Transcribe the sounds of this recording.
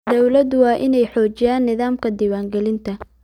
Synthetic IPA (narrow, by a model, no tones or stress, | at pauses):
d̪ɔwlɐd̪ʊwɑːʔɪnɛjħɔːt͡ʃɪjaːnːɪðaːmkʰɐd̪iːwaːŋɡɛlɪnt̪ʰɐ